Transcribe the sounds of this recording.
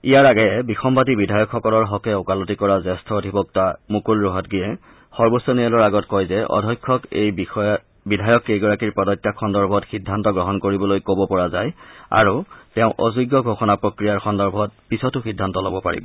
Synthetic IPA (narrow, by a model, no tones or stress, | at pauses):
ijaɹaɡɛjɛbixɔmbatibidʱajɔkxɔkɔlɔɹɦɔkɛokalɔtikɔɹazɛstʰɔodʱibɔk̚tamukulɹɔɦɔtɡijɛ | xɔɹbosːɔniɛlɔɹaɡɔtkɔjzɛɔ̰dʱɔjkʰːɔkej | bidʱajɔkejɡɔɹakiɹpɹɔdɔjtːakʰɔndɔɹbʱɔtxidʱːantɔɡɹɔɦɔnkoɹibɔlojkobɔpɔɹazaja̰ɹutɛʊ̃ʔɔ̰zuɡjɔɡʱoxɔnapɹokɹijaɹxɔndɔɹbʱɔt̚pisɔtʊxidʱːantɔlobɔpa̰ɹḭbɔ